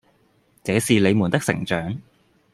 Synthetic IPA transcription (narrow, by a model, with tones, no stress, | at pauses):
t͡sɛː˨˧˥siː˨le˨˧jmuː˨˩nt̪ɪ˥k̚sɪ̰˨˩ŋt͡ʃœː˨˥ŋ